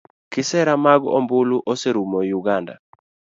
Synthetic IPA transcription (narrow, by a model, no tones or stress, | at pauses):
kɪsɛɾamaɡɔ̰mbʊluʔoseɾumɔjuɡanda̰